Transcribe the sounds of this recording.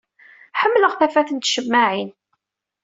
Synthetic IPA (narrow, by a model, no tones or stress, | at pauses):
ħəmːləʁθæfæθənt̪ʃəmːaʕin